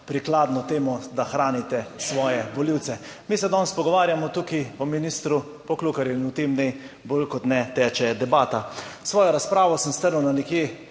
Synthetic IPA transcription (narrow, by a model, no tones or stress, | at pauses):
pɾiklaːd̪nɔt̪eːmɔd̪axɾaːnit̪ɛsʋɔːjɛbɔliwt̪sɛ | miːsɛd̪ɔnspɔɡɔʋaːɾjamɔt̪ukiɔminist̪ɾu | pɔklukaɾjɛnut̪emnɛj | bolkɔt̪nɛt̪ɛt͡ʃɛd̪ɛbaːt̪asʋɔːjɔɾaspɾaːʋɔsəmst̪əɾnəwnanɛkje